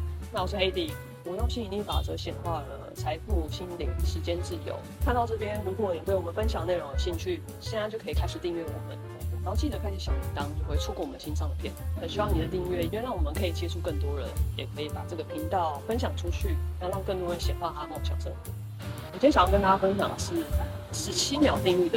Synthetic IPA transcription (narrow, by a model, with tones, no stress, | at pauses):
na˥˩ɔ˨˩ɔ˥e˥ɪd̪i˥˩ | wɔ˨˩j̪o˥˩ɕi˥˩i˨˩t͡ɕ̪i˥pa̰˨˩ʈ͡ʂɤ˥˩ɡə˩ɕjɛ˨˩nxwa˥˩lə̰˩t͡sʰa˧˥ɪfu˥˩ɕi˥nli˨˩ŋʂɻ̩˧˥t͡ɕjɛ˥nʈ͡ʂɻ̩˥˩jo̰˨˩˦ʊkʰa˥˧nt̪ɑ˥˧ʊʈ͡ʂɤ˥˩pjɛ˥nɻu˧˥kwɔ˨˩ni˨˩we˥˩ɪwɔ˨˩mə˨˦nfə˥nɕjɑ˨˩ŋne˥˩ɪɻo˧˥ŋd̪ə˧ɕi˥˧ŋt͡ɕʰy˥˩ | ɕɛ˥ɻa˧˥nt͡ɕjo˥˩kʰi˨˩kʰa˥ɪʂɻ̩˨˩t̪i˥˧ŋɥɛ˥˩wɔ̰˨˩mə̰˦n˩˨˧ | xo˥˩t͡ɕi˥˩d̪ə˩˦kʰa˥ɪʂɻ̩˨˩ɕjɑ˨˥˩ŋli˨˩t̪ɑ˥ŋt͡ɕjo˥˧ʊxwe˥˩ɪʈ͡ʂʰu˥kwɔ˥˩wɔ˨˩ə˩˦ɕi˥nʂɑ˥˧ŋd̪ə˩pʰjɛ˥˩nxə˨˩nɕy˥wɑ˥˩ŋni˨˩d̪ə˦t̪i˥˧ŋɥɛ˥˩i˥ɥe˥˧˩na˥˩nwɔ˨˩mə˦nkʰɤ˧˥i˨˩t͡ɕjɛ˥ʈ͡ʂʰu˥˧kə˥˩nt̪wɔ˥ɻə˧˦njɛ˨˩kʰɤ˧˥i˧˥pa˨˩ʈ͡ʂɤ˥˩ɡə˩pʰi˧˥ŋt̪ɑ˥˩ʊfə˥nɕ̬jɑ˨˩ŋʈ͡ʂʰu˥t͡ɕʰy˥˩˧ɻɑ˥˧ŋkə˥˩ŋt̪wɔ˥d̪ə˧˩ɕjɛ˨˩nxwa˥˩xa˥a˥˩ɕjɑ̰˨˩ŋʂɤ˥˧˩u˥˩ | wɔ˨˩t͡ɕʰɕjɑ˨˩˥kə˥nt̪a˥t͡ɕa˥˧fə˥nɕjɑ̰˨˩ŋʂɻ̩˥˩ʂɻ̩˧˥t͡ɕʰi˥mjɑ˨˩˦ʊt̪i˥˧ŋy˥˩d̪ə˩